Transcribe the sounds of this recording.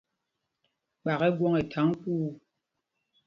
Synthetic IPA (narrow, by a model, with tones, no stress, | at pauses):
k͡pa˨kɛ˦ɡwɔ˦ŋɛ˨tʰa˨˦ŋ˦kuː˦